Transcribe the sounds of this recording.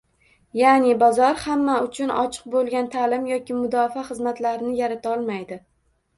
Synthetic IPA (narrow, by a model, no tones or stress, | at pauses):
janɪbɒzɒɾhamːaʊt͡ʃʰʊnɒ̰t͡ʃʰɨ̥q̚bolˠɡʲant̪ʰalɪmjɒkʲɪmʊd̪ɒfaχɨzmat̪laɾɪnɪjaɾat̪ʰaɒlˠmajd̪ɪ